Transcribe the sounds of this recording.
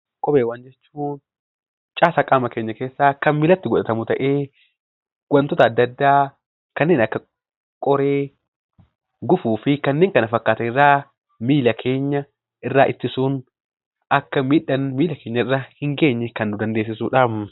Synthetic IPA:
kʼɔbeːwaːnd͡ʒɛt͡ʃːuːn | t͡ʃʼaːsakʼaːmɐkeːɲːɐkeːsːaːkɐnmɪlɐt̪ːɪɡɔᶑɐt̪ɐmʊt̪ɐʔe̞ː | ɡ̥ɐnt̪ɔt̪ɐːd̪ːɐd̪ːaː | kɐnːeːnɐkːɐ | kʼɔɾeː | ɡʊfuːfɪkɐnːeːŋkɐnɐfɐkːaːt̪ɐɪrːaː | miːlɐkʰeːɲːɐ | ʔɪrːaːʔɪt̪ːɪsuːn | ɐkːɐmiːᶑɐnmiːlɐkeːɲːɐɪrːahɪŋɡe̞ːɲːɛkɐnːʊd̪ɐnd̪eːs̬ːɪsuːᶑaːm

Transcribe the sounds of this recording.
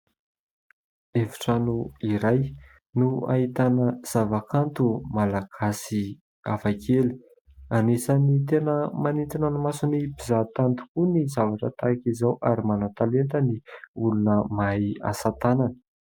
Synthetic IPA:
evi̥ʈ͡ʂanuiɾaj | nua̰it̪anəz̥avakant̪umalaɡ̥asi | afakʰeli̥ | anesanit̪enəmanint̪ananamasunipizat̪ant̪u̥kunizavaʈ͡ʂət̪akizawʔaɾimanat̪alent̪əniulunəmaja̰sat̪ananə̥

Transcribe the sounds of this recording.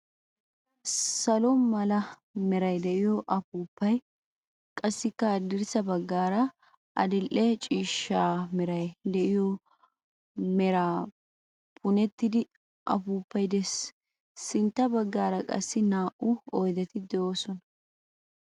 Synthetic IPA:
sɐlɔmɐlɐ | mɛɾɐjd̪ɛʔɪjɔʔɐpuːpːɐj | kʼɐsːɪkːɐd̪ɪɾsɐbɐɡːaːɾɐ | ʔɐ̰d̪ɪlʔɛt͡ʃʼiːʃːaːmɛɾɐjd̪ɛʔɪjɔ | mɛɾaː | pʰʊnɛt̪ːɪd̪ɪ | ʔɐ̰puːpːɐjd̪ɛsː | ɪnt̪ːɐbɐɡːaːɾɐkʼɐ̰sːɪnaːʔʊɔjd̪ɛt̪ɪd̪ɛoːsɔnɐ

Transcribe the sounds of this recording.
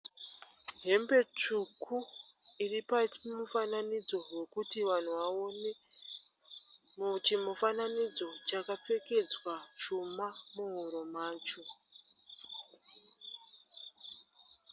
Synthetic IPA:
ɦe̞mbe̞t͡ʂukʰuiripamufananid͡zo̞we̞kutiʋan̤uʋaone̞ | mut͡ʃimufananid͡zo̞t͡ʃakap͡fe̞ke̞d͡zwat͡ʃumamuɦuɾo̞maːt͡ʃo̞

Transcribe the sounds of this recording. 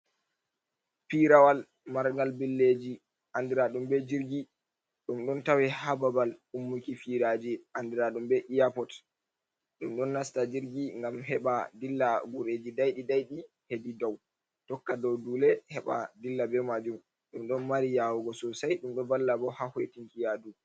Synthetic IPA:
fiɾawal | maɾɡalbilːed͡ʒi | ʔandiɾaɗumbɛd͡ʒiɾɡi | ɗumɗɔntawɛhababalumːukifiɾad͡ʒiʔandiɾaɗumbɛʔijapɔt | ɗumɗɔnːastad͡ʒiɾɡiŋɡamɦɛɓadilːaɡuɾed͡ʒidajɗidajɗi | hedidɔw | tɔkːadɔwdulɛhɛɓa̰dilːabɛmad͡ʒum | ɗumɗɔnmaɾijawɔɡɔsɔsajɗumɗɔvalːabɔhahɔjtiŋkijadu

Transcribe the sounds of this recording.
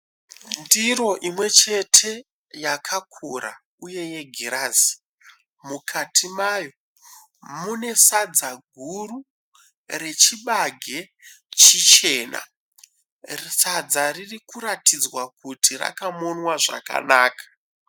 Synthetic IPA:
ndiro̞ʔimwe̞t͡ʃe̞tʰe̞ | jakʰakʰuɾa̰ | uje̞je̞ɡʱiɾaːzi | mukʰatʰimajo̞ | mune̞sad͡zaɡʱuru | re̞t͡ʃiɓaɡʱe̞ | t͡ʃit͡ʃe̞ːna̰ | risad͡zaririkuɾatid͡zwakutira̰kamonwaʐa̰ka̰naːkḁ

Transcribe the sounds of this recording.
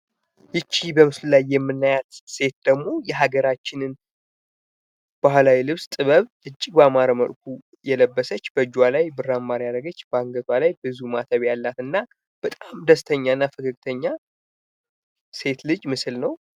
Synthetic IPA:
jɨt͡ʃːibəmɨslulajːɛmːɨnːajat̪se̞t̪̚d̪əɡmo̞jɛɦaɡəɾat͡ʃːɪnɨn | b̥ahlawilɨβst̪ʼɨβəβ | ɨt͡ʃʼːiɡbəamaɾəməlk̚ʰʷu | jɛləbːəsət͡ʃːbəd͡ʒwalajbɨrːamːaɾjaɾəɡət͡ʃːbəaŋɡət̪ʰwalajbɨzumat̪ʰəβjalːat̪ɨnːa | b̥ət̪ʼamd̪əst̪ʰəɲːanːafɨkʰɨk̚t̪ʰəɲːa | se̞t̪lɨd͡ʒʼmɨsɨlnəw

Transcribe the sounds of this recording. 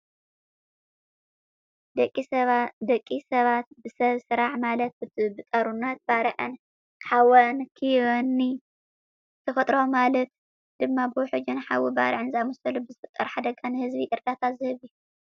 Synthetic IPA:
dkʼid̪ɐkʼːisɐβat̪̚bɨsɐβsɨɾaħmalɐt̪̚bɨbɨt̪ʼɐɾunːɐt̪̚baɾʕɨn | ħawɐnkʰɨjwɐnːi | zɨt̪ʰɐfɐt̪ʼɾomalɐt̪̚ | d̪̥ɨmːabɨwɔħʊd͡ʒɨnħawiba̰ɾʕɨnzamɔsɐlubɨzɨfɨt̪ʼːɐɾħad̪ɐɡʼɐnhɨzbiʔɨɾd̪at̪ʰazɨhɨβju

